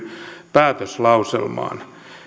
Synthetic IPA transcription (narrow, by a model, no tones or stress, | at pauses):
pæːt̪øslɑusḛlmɑ̰ːn